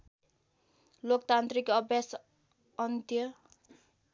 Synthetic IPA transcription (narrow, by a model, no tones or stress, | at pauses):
lok̚t̪ant̪ɾikɔbɛs | ɔnd̪jə